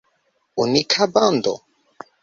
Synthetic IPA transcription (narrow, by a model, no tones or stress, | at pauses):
unikʰaband̪ɔ̰